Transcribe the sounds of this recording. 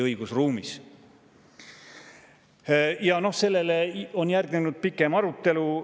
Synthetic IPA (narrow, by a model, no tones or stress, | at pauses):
ɤiɡ̥usruːmis | jɑno̞hse̞lːe̞leonjærɡ̥nenud̪̥̚pikːˑe̞mɑɾut̪ˑːe̞lu